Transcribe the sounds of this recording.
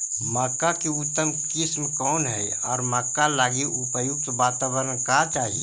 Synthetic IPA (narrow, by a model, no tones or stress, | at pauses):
maːkakeut̪ːəmkɪsmkɔːnɦɛ | ɔ̰ːɾmaːkːalaːɡiʔupəjʊk̚t̪ʋaːt̪aːbəɾənkat͡ʃaːɦie